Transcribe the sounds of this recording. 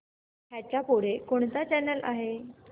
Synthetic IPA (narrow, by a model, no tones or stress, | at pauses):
ɦjat͡ɕjapoɽekoɳt̪at͡ɕɛnəlʔa̰ɦe